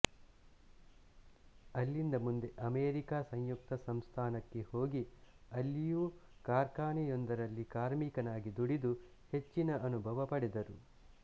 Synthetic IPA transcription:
ɐlːind̪ɐmund̪e̞ʔɐmeːɾikaːsɐɲjuk̚t̪ɐsɐmst̪ʰaːnɐkːe̞ho̞ːɡiɐlːijukaːɾkaːnɛjond̪ɐɾɐlːikaːɾmiːkɐnaːɡid̪uɽid̪u | he̞t͡ʃːinɐʔɐnubʱɐʋɐpɐɽed̪ɐɾu

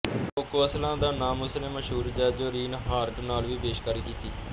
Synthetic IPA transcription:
ʊkːəslãːd̪aːnaːmʊsneːməʃɦuːɾd͡ʒɛːd͡ʒoːɾiːnɦaːɾʈnaːlʋiːbeːʃkaːɾiːkiːt̪iː

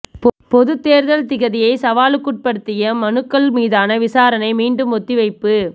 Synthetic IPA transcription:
pɔðɯt̪ːeːɾðɐlt̪ɪɣɐðɪjɐɪsɐʋaːlɯkːʊʈ̚pɐɽɯt̪ːɪjɐmɐnɯkːɐɭmiːðaːnɐʋɪsaːɾɐnɐɪmiːɳɖɯmɔt̪ːiʋɐɪpːɯ

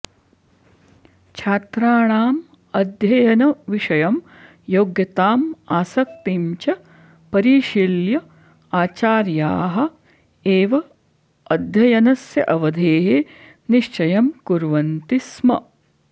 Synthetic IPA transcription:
t͡ʃʰaːt̪ɾaːɳaːm | ɐd̪ʱjɐjɐnɐʋiʂɐjɐm | joːɡjɐt̪aːmaːsɐk̚t̪imt͡ʃɐ | pɐɾiːʃiljɐ | aːt͡ʃaːɾjaːɦɐ̆ | eːʋɐː | d̪ʱjɐjɐnɐsjɐʔɐʋɐd̪ʱeːɦe | niʃt͡ʃɐjɐmkuɾʋɐnt̪ismɐ̰

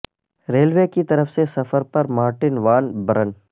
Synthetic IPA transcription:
ɾeːlʋeːkit̪ɐɾəfsesɐfəɾpɐɾmaːɾʈɪnʋaːnbɐɾən

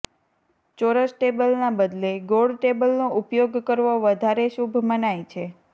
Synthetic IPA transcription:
t͡ʃoɾəsʈebəlnabəd̪leɡoɽʈebəlnoʔupjoɡkəɾʋoʋəd̪ʱaɾeʃubʱmənajt͡ʃʰe

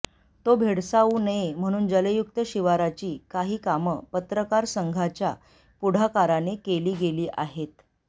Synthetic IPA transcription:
t̪obʱeɽsauːnəem̤əɽ̃uːnd͡ʑələjuk̚t̪əɕiʋaɾat͡ɕiːkaɦiːkaməpət̪ɾəkaɾsəŋɡʱat͡ɕja | puɽ̤akaɾanekeliːɡeliːʔaɦet̪

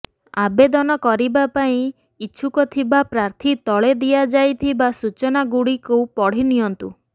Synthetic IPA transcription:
a̰bed̪ɔnɔkɔɾibapaĩ | kiːt͡ʃʰukɔt̪ʰibapɾaɾt̪ʰit̪ɔɭed̪ijad͡ʒajt̪ʰibasut͡ʃɔnaɡuɽikopɔɽ̤iniɦɔnt̪u

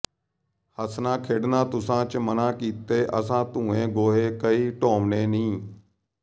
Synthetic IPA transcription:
həsnãːkʰeːɽnãːt̪ʊsãːt͡ʃmənãːkiːt̪eːʔəs̬ãːt̪ũːẽːɡoːɦeːkəiːʈoːmneːnĩː

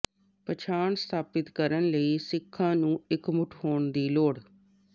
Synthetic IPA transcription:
pət͡ʃʰaːɳst̪ʰaːpɪt̪kəɾənləiːsɪkʰːãːnũːɪkmʊʈʰhoːɳd̪iːloːɽ

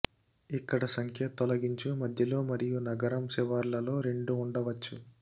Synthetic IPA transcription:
ikːɐɽɐsɐŋkʰjɐt̪ɔlɐɡiɲt͡ʃumɐd̪ʱjɐlo̞ːmɐɾijunɐɡɐɾɐmsɛʋaɾlɐlo̞ːɾe̞ɳɖuːɳɖɐʋɐt͡ʃːu

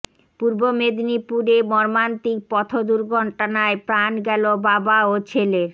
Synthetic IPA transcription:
puɾbomed̪nipuɾemɔɾmant̪ik̚pɔt̪ʰod̪uɾɡʱɔɳʈanaepɾanɡɛlobabaot͡ɕʰeleɾ

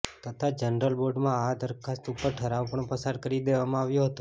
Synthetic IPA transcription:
t̪ʰət̪ʰad͡ʒənɾəlboɖmãad̪əɾkʰast̪upːəɾʈʰəɾaʋpəɳpəsaɾkəɾid̪eʋamãaʋjuɦət̪ũ

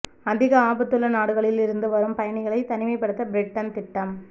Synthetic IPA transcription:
ɐðɪɣɐaːbɐt̪ːɯlɐnaːɽɯɣɐɭɪlɪɾɯnd̪ɯʋɐɾɯmpɐjɐɳɪɣɐɭɐɪt̪ɐnɪmɐɪpːɐɽɯt̪ːɐbɪɾɪʈːɐnt̪ɪʈːɐm

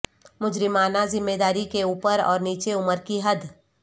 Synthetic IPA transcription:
mʊd͡ʒɾɪmaːnazɪmːeːd̪aːɾikeuːpəɾɔ̰ːɾniːt͡ʃeʊməɾkiɦɐd̪

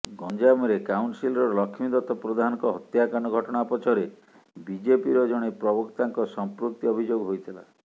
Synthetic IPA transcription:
ɡɔnd͡ʒamɔɾekawɳʈsilɔɾɔlɔkʰimid̪ɔt̪ɔpɾɔd̪ʱanɔ̃ŋkɔɦɔt̪jakanɔɡʱɔʈɔɽ̃apɔt͡ʃʰɔɾe | bid͡ʒepiɾɔd͡ʒɔɽ̃epɾɔbɔkt̪aŋkɔsɔmpɾukt̪ːiɔbʱid͡ʒoɡɦojt̪ʰila̰

